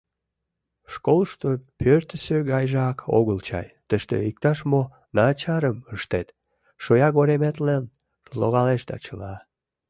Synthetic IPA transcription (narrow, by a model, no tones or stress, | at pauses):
ʃkolʃt̪opʰørt̪əsøɣɑjʒɑkʰo̰ɣəlt͡ɕɑ̰jt̪əʃt̪ḛik̚t̪ɑʃmo | nɑt͡ɕɑɾəməʃt̪et̪ | ʃojɑɣoɾemet̪læn | lo̰ɣɑleʃd̪ɑ̰t͡ɕəlɑ